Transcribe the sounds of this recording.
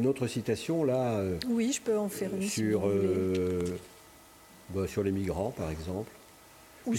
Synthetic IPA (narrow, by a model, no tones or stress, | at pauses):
ynot̪χəsit̪asjɔ̃laøwiʒəpøɑ̃fɛʁynsyʁø | basyʁlemiɡʁɑ̃paʁɛɡzɑ̃pl | u